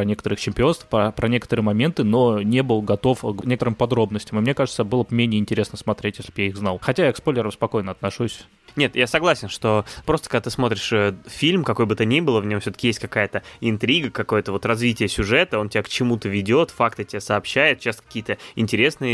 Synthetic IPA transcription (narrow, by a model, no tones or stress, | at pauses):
pɐnʲe̞kət̪əɾɨxt͡ɕɪmʲpʲɪo̞nst̪fpəpɾɐnʲe̞kə̥t̪əɾɨjəmɐmʲent̪ɨno̞nʲe̞bɨlˠɡɐt̪o̞fknʲekət̪əɾɨmpɐd̪ɾo̞bnəsʲtʲɪmɨmnʲekaʐɨt̪səbɨlˠəb̚mʲenʲɪəɪnʲtʲɪɾʲesnəsmɐt̪ɾʲetʲjeslʲɪbjaiɣznɑlˠxɐtʲajakspolʲːɪɾəmspɐko̞jnəɐt̪nɐʂusʲ | nʲe̞t̪jasɐɡlˠasʲɪnʂt̪o̞pɾost̪əkɐɡd̪at̪ɨsmo̞t̪ɾʲɪʂəfʲilʲmkɐko̞jbɨt̪ənʲibɨlˠəvnʲo̞mfsʲot̪ə̥kʲɪjesʲtʲkɐkajət̪əɪnt̪ɾʲiɡəkɐko̞jət̪əvo̞t̪rɐzvʲitʲɪjəsʲʊʐɛt̪əo̞ntʲɪbʲakt͡ɕɪmut̪əvʲɪdʲo̞t̪fakt̪ɨtʲɪbʲasəːpɕːæjɪt̪̚t͡ɕːast̪əkɐ̥kʲijət̪əɪnʲtʲɪɾʲe̞snɨjə